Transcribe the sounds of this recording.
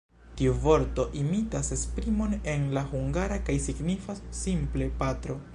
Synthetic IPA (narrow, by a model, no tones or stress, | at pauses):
tiuvo̞ɾto̞ʔimitasespɾimo̞ne̞nlahuŋɡaɾakajsiɡnifasːimple̞patɾo̞